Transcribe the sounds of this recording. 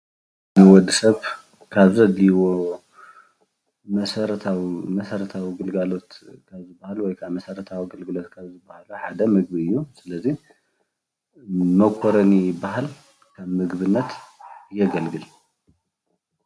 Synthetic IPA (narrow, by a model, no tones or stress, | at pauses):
nɨwɔd̪ɨsɐβ | kʰaβzɐd̪iwo | mɐsɐɾɐt̪ʰawimɐsɐɾɐt̪ʰawiɡɨlɡalo̞t̪kʰaβzɨbahalwɔjkʰaβmɐsɐɾɐt̪ʰawiɡɐlɡɨlo̞t̪̚kʰaβzɨbːahaluħad̪ɐmɨɡ̚biɨjːusɨlɐzi | mɐkʷʰoɾɐnijɪbːaɦal | kʰaβmɨɡβɨnːɐt̪ɨjːɛɡɐlɡɨl